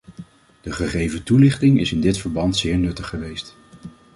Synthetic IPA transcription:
d̥əχəχejvətulɪχtɪŋɪsɪndɪtfəɹbɑntsɪːɹnɵtəχəʋejst

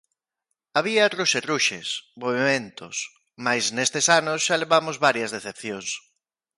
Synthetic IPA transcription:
aβiɐruʃeruʃḛsmoβ̞imẽnt̪ʊ̰s | majsnest̪esanʊsʃaleβamozβaɾjɐzðeθepθjoŋs

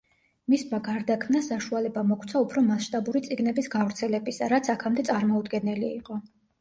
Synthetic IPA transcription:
mismaɡaɾd̪akʰmnasaʃualɛbamɔkʰt̪sʰaupʰɾɔmasʃt̪ʼabuɾit̪sʼiɡnɛbisɡavɾt̪sʰɛlɛbisaɾat̪sʰakʰamd̪ɛt̪sʼaɾmɔud̪ɡɛnɛliːqʼɔ

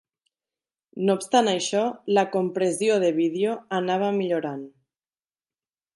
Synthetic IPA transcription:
noːpst̪anajʃɔlakompɾezijoð̞eβ̞iðjoanaβ̞amiʎoɾan

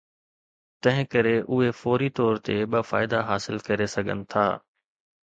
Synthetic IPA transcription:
t̪ɐ̃ɦɪ̃kɐɾeʔʊɦefɔːɾit̪ɔːɾt̪eɓɐfa̰ːɪd̪aɦaːsɪlkɐɾesɐɡʱə̰nɪ̆t̪ʰa̰ː

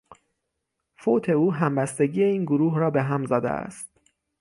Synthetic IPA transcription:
fot̪ʰe̞uːɦæmbæst̪e̞ɡiːe̞iːnɡoɾuːɦɾɒːbe̞ɦæmzæːd̪ḛæ̰st̪̚

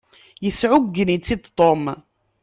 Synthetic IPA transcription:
jəsʕʊɡːənit͡sːid̪t̪ˤom

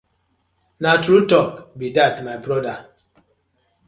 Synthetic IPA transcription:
natɾutɔkbidatmajbɾɔda

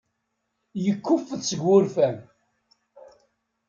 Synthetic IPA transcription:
jəkːʊfːəðsəɡːʊɾfæm

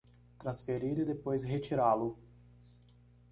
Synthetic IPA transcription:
t̪ɾɐ̃sfeɾiɾɪd̪epojzɦet͡ʃiɾalʊ

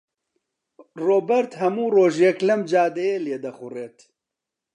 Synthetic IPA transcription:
roːbɛɾt̪hɐmuːroːʒjɛklɐmd͡ʒaːd̪ɛjeːleːd̪ɐxʊreːt̪

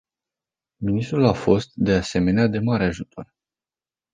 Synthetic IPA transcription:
minist̪ɾulafo̞st̪̚d̪e̞ase̞me̞nead̪e̞maɾe̞aʒut̪ʰo̞r

